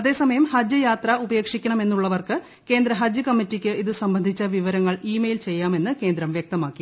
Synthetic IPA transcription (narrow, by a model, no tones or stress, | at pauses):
ɐðe̞ːsɐmɐjɐmhɐd͡ʑjɐjaːt̪rɐube̞ːkʂikʲːɐɳɐme̞nːuɭːɐʋɐrkɨ | ke̞ːnd̪ɾɐɦɐd͡ʑjɐkɐmːitːikʲːɨʔiðɨsɐmbɐnd̪ʱit͡ɕːɐʋiʋɐɾɐŋːɐɭiːmejilt͡ɕe̞jːaːme̞nːɨke̞ːnd̪ɾɐmʋjek̚t̪ɐmaːkːi